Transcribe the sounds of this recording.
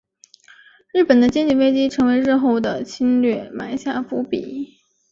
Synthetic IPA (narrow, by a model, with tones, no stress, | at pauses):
ɻɻ̩˥˩pə˨˩nd̪ə˦t͡ɕjɛ˥˧nt͡ɕi˥˧nwe˥ɪt͡ɕi˥ʈ͡ʂʰɤ˧˥ŋwe˧˥ɪɻɻ̩˥˧xo˥˩ʊd̪ə˩t͡ɕʰi˥nlɥɛ˥˩ma˨˩ɪɕja˥˩fu˧˥pi˨˩˦